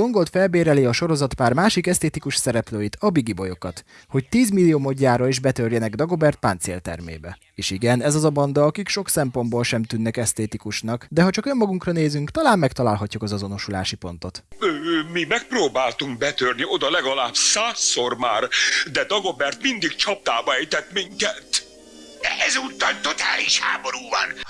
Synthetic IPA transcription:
o̞ŋɡo̞lt̪fɛlbeːɾɛleɒʃo̞ɾo̞zɒt̪paːrmaːʃikɛst̪eːt̪ikuʃsɛɾɛpløːjit̪ɒbiɡibo̞jo̞kɒt̪ | ho̞ct̪iːzmilːijoːmo̞ɟːaːɾɒiʒbɛt̪ørjɛnɛɡd̪ɒɡo̞bɛrt̪̚pant̪sḛːlt̪ɛ̰rmḛːbɛ | eːʃiɡɛnɛzɒzɒbɒnd̪ɒɒkikʃo̞ksɛmpo̞nboːlʃɛmt̪ynːɛkɛst̪eːt̪ikuʃnɒkd̪ɛɦɒt͡ʃɒkømːɒɡuŋkrɒneːzyŋkt̪ɒlaːmːɛkt̪ɒlaːlɦɒcːukɒzɒzo̞no̞ʃulaːʃipo̞n̪t̪o̞t̪ømimɛk̚proːbaːlt̪uŋkbɛt̪ørnio̞d̪ɒlɛɡɒlaːbsaːsːormaːrd̪ɛd̪ɒɡo̞bɛrt̪mind̪ikt͡ʃɒp̚t̪aːbɒɛjt̪ɛt̪miŋkɛt̪ | ɛʔɛzuːt̪ːɒlt̪o̞t̪a̰ːliʃha̰ːmo̞ɾuːvɒ̰n

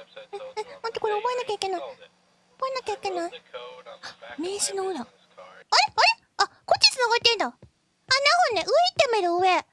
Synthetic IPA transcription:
ɯ̃ɯ̃nãnt̪eko̞ɾeobo̞enakʲaike̞nai | ob̥o̞enakʲaike̞nai | ame̞ːɕinoɯɾa | aɾe̞aɾe̞ | akot͡ɕːit͡sɨnaɡat̪ːẽnd̪a | anaɦonːeʔɯ̟it̪ːemeɾɯɯe

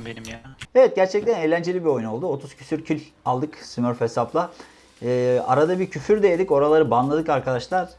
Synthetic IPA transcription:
eevɛt̪̚ɟæɾt͡ʃʰɛc̚t̪ʰæne̞ːlʲænd͡ʒe̞lʲibiojuno̞lˠd̪uo̞t̪ʰuz̥cʰy̥syɾcʰylʲ | alˠd̪ɯksymøɾfesaplˠa | ɯːa̰ɾad̪abiɾcʰyfyɾd̪ejed̪ico̞ɾalˠaɾɯbanlˠad̪ɯkaɾkʰad̪aʃlˠaɾ̥

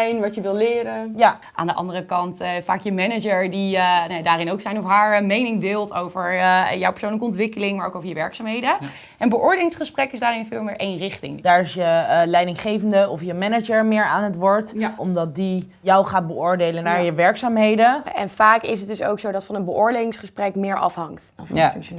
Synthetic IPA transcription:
jnʋɑtjəʋɪlˠlɪːɾənja | ʔa̰ːndəʔɑ̰ndərəkɑntfa̰ːkjəmɛnəd͡ʒəɹdinjadaːɾɪnowksɛjnɔfɦaːɹmejnɪŋdɪːlˠtʰowvəɹjɔwpə̥ɹsownləkəɔntʋɪkəlɪŋmaːɹo̰wkowvəɹjəʋɛɹksaːmɦejdə | ʔɛnbəʔʊːɹdeːlɪŋsχəsprɛkɪsdaːrɪnfɪːlˠmɪːɹʔejnrɪχtɪ̰ŋdaːɹɪsjəlɛjdɪŋχejvəndəɔfjəmɛnəd͡ʒəɹmɪːɹa̰ːnɦətʋɔɹtʔɔmdɑt̚di | jɔwχaːd̚bəʊːɹdejlənaːɹjəʋɛɹksaːmɦejdəɛ̰nfaːkɪs̬ət̚dɵso̰wksowdɑtfɑnənbəʔʊːɹdeːlɪŋsχəsprɛkmɪːɹʔɑ̰fɦɑŋktdnfŋk

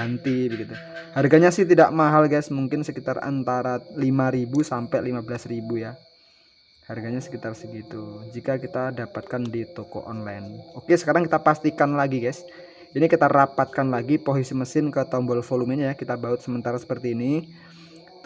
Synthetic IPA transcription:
ant̪ibəɡit̪uharɡaɲasɪht̪idaʔmaɦalɡajsmuŋkɪnsəkit̪ara̰nt̪aɾalimaɾibusampɛlimabəlasribuja | harɡaɲasə̥kit̪arsəɡit̪ud͡ʒikakit̪adapat̪̚kandit̪okɔ̰ʔɔnlajnokesə̥kaɾaŋkit̪apast̪ikanlaɡiɡajs | inikit̪arapat̪̚kanlaɡipoɦisiməsɪnkət̪ɔmbɔlfoluminɲajakit̪abaʊt̪səmənt̪aɾasə̥pərt̪iːni

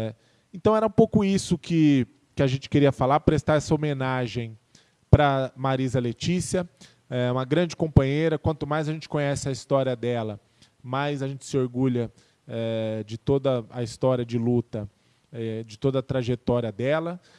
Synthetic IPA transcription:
ɛ | ẽnt̪ɐ̃w̃ɛɾɐũpowkʊisʊkɪ | kɪaʒẽnt͡ʃɪ̥keɾiɐfalaɾpɾest̪aɾɛsɐomenaʒẽj̃ | pɾɐmaɾizɐlet͡ʃisiɐ | ɛũmɐɡɾɐ̃d͡ʒɪkõmpɐ̃ɲeɾɐkwɐ̃nt̪ʊmajzɐʒẽnt͡ʃɪ̥kõɲɛsɪɐist̪ɔɾiɐd̪ɛlɐ | mɐjzɐʒẽnt͡ʃɪ̥sɪoɾɡuʎɐ | ɛd͡ʒɪt̪od̪ɐɐist̪ɔɾiɐd͡ʒɪlut̪ɐ | ɛd͡ʒɪt̪od̪ɐːt̪ɾaʒet̪ɔɾiɐd̪ɛlɐ

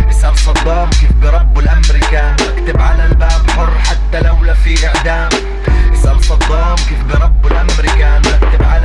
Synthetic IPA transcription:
ʔɪsʔalsˤɑd̪ˤːɑːmkɪt̪bɾˤɑbːɪlʔamɾɪkanbakt̪ɪbʕalalbaːbħʊrˤːħat̪ːalawlafiʔaʕd̪aːm | ʔɪsʔalsˤɑd̪ˤːɑːmkifbɾˤɑbːɪlʔamɾɪkanbakt̪ɪbʕal

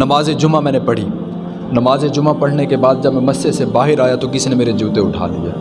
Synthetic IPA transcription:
nɐmaːzed͡ʒʊmamɛ̃ːnepɐɽ̤iː | nɐmaːzed͡ʒʊmapɐɽ̤nekebaːd̪̚d͡ʒɐbmɛ̃mɐsːesebaːɦɪɾaːjat̪okɪsinemeːɾed͡ʒuːt̪eʊʈʰa̰ːlḭḛː

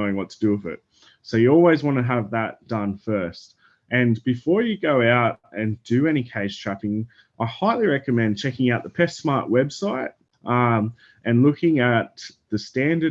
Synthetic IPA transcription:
ʊɪ̃ŋwʌtʰədʉʌvɪ̰t̚ | soʊjɨɔlˠwizwɑ̃ñɨəvðət̚d̥ʌ̃nfɜ˞st̚ | ʔɨ̃nbɨfɔɹjɨɡoʊaʊɾɨ̃ndɨɛɾ̃ikʰeɪz̥tʰɹ̥æpɪ̃ŋ | ʔaɪhaɪlˠiɹɛkɨmɛ̃nt͡ʃʰɛkɪ̃ŋaʊt̪̚ðəpʰɛstsmɑɹʔwɛbsaɪɾ | ʔʌ̃ | ʔɨ̃nlʊkɪ̃ŋɨt̪̚ðɨstæ̃ndə

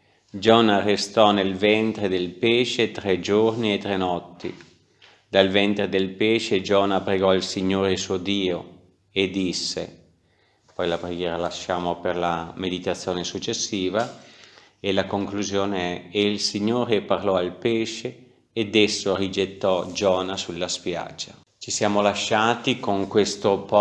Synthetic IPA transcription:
d͡ʒɔːnarest̪ɔnelvɛnt̪ɾed̪elpeːʃet̪ɾɛd͡ʒorniet̪ɾɛnɔt̪ːḭ | d̪alvɛnt̪ɾed̪elpɛːʃed͡ʒɔːnapɾeɡɔilsiɲːoːɾesuod̪iːo | ed̪isːḛ | pɔjlapɾeɡjɛːɾalaʃːaːmoperlamed̪it̪at̪sːjoːnesut͡ʃːesːiːva | elakoŋkluzjoːneɛeilsiɲːoːɾeparlɔalpɛːʃeː | d̪ɛsːorid͡ʒet̪ːɔd͡ʒɔːnasulːaspja̰d͡ʒːa | t͡ʃisjaːmolaʃːaːt̪ikoŋkwest̪opɔ

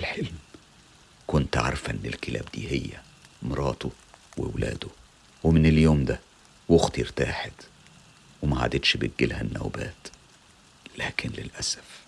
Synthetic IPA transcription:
lħelm | kont̪ʕɑ̰ɾˤfæʔenːelkelæːbd̪ḭːhejːæ | mɾˤɑːt̪o | wḛwlæ̰ːd̪o | wemeneljoːmd̪æ | woxt̪jeɾt̪aːħed̪ | wemæʕa̰d̪et̪ʃbeɡːelhænːæ̰wbæ̰ːt̪ | læːkʰɪnlelʔæsæf

